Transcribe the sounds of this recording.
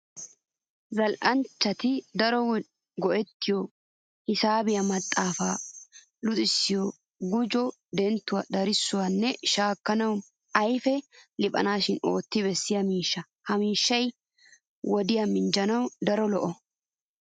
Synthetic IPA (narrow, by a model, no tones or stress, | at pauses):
zɐlʔɐnt͡ʃːɐt̪ɪd̪ɐɾɔ | ɡɔʔɛt̪ːɪjɔ | hɪsaːbɪjɐmɐt̪ʼːaːfaː | lʊt̪ʼɪsːɪjɔ | ɡʊd͡ʒɔ | d̪ɛnt̪ːʊwɐd̪ɐɾɪsːʊwɐnːɛʃaːkːɐnɐw | ɐjfɛlɪpʼɐ̰naːʃɪno̞ːt̪ːɪβɛsːɪjɐmiːʃːɐ | hɐmiːʃːɐj | wɔd̪ɪjɐmɪnd͡ʒɐnɐwd̪ɐɾɔlɔʔɔ